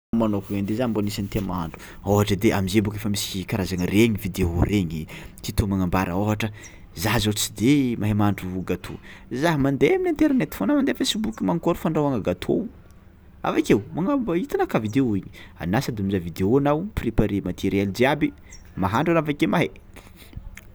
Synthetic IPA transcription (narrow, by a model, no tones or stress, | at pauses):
manokaand̪ezambonisanit̪iamaɦa̰ɳɖ͡ʐu̥ | oɦaʈ͡ʂəd̪eʔamizebukefəmisikaɾazaŋireɲivid̪eoɾeɲit̪it̪omaŋambaɾəoɦaʈ͡ʂə | zaɦzot͡sid̪emʔaɦemaɳɖ͡ʐuɡat̪ʰo̰zaɦimand̪eaminant̪eɾanet̪i̥fonamand̪efesibukʲimaŋkoɾufaɳɖ͡ʐawaŋəɡat̪ʰo̰ | a̰vakewmaŋabit̪inakavid̪eoiɲi̥a̰nasad̪eamizavid̪eoanawpripaɾemat̪iɾeld͡ʒ̪iabi | maɦaɳɖ͡ʐanavakemaɦe